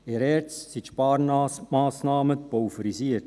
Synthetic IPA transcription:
ɛːɾɛɾt͡ssit̪ʃpɑːɾmaːsnɑːməpowfəɾisiːət

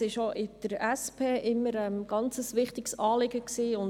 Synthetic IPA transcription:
ɪʃoʔɪd̥əɾɛspʰeːʔɪmːəɾɛmɡ̥ɑnt͡səsʋɪχtɪɡsɑːlɪɡəksiːʊn

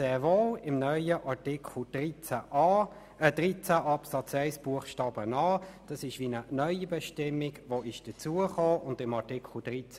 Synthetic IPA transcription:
ɛvoːɪmnœʏəʔɑɹtɪkʰl̩d̥ʁit͡sæʔ | əd̥ʁit͡sæʔɑpsɑt͡sɛɪsb̥uəχʃtɑːb̥ənɑːd̥ɑsɪʃʋinənœʏibɛʃtɪmːɪɡʋoɪʃd̥ət͡suəχoːʔʊndɪmɑtɪkʰl̩d̥ʁit͡s

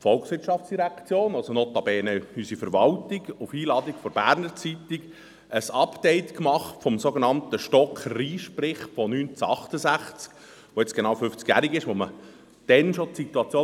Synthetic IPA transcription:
fɔlksʋɪɾʃɑft͡sd̥iɾækt͡sjoːnɑsɔnɔt̪ɑbɛːnəysifəɾʋɑltiɡʊfiːlɑːd̪ikfɔɾbæːɾnəɾt͡sitɪk | əsɑpdɛɪtkmɑχtfɔmsoɡenɑnt̪əʃtɔkχriːʃpɾɪχfɔnyːnt͡sɑχtəsæχt͡sk | ʋoɛt͡sɡ̥enɑwfʏft͡skjæːɾiɡɪʃʋomə | d̥ɛnʃotsit̪uɑt͡sjoː

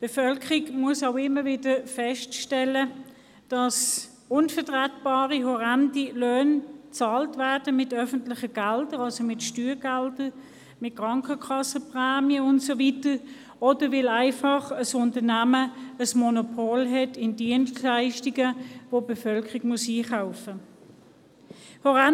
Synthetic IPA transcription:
b̥efœlkəʁiɡmuəsaʊɪmːəvɪdəfɛʃtʃtɛlə | d̥ɑs | ʊnfətʁatb̥ɑːʁiɦɔʁandiløːnt͡sɑːltvæɐd̥əmɪtœfən̩tlɪχəɡ̥ældəʁɑlsomɪtʃtyːʁɡ̥ældə | mɪt̚kʁɑŋkəkʰɑsəpʁɛːmjəʊntsovitə | ɔdəvɪlæɪfɑχəsʊntənæməəsmonopʰoːlɦɛtɪndiənstlaɪʃtiɡəvobefœlkəʁiɡ̥muəsiːχaʊfə | hɔʁa

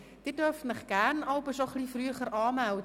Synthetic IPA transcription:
d̥ɪt̚dørftmɪχɡ̥æːrnɑlbəsoχlifryəχəɾʔɑːmældə

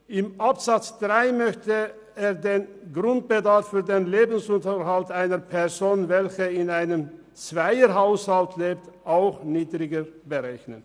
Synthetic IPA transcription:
ʔɪmʔapz̥at͡sd̥ʁaɪmœçtə | eːɐdeːn | ɡʁʊnt̚b̥ədaɐfːyːɐdeːnleːbn̩sʊntəɦaltaɪnəpʰɛɐzoːnvɛlçəɪnaɪnəm | t͡sv̥aɪəɦaʊshaltʰleːptʔaʊxniːdʁɪɡəbəʁɛçnən

